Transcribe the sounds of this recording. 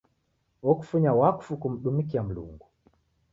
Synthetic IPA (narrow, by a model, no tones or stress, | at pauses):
ɔku̥fuɲawaku̥fukum̩ɗumik̬iam̩lṵŋɡu